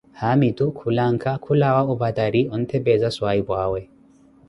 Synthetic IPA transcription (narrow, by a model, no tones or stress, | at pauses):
hamitukʰulaŋkʰakʰulawaʊbadaɾiɔnt̪ʰɛbɛzaswaibwaːwɛ